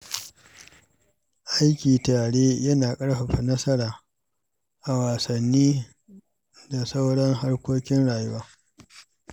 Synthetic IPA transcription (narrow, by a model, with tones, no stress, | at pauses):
ʔa˦jkʲiː˨taː˨ɽeː˦jɐ˦naː˨kʼɐ˦ɽɸa˨ɸa˨nɐ˦sɐ˦ɽaː˨ | ʔa˨waː˨sɐ˨nːiː˦ | da˨sa˦wɽɐ˦ŋɦa˦ɽkʷoː˦kʲɪ˦nɽaː˨jʊ˦waː˦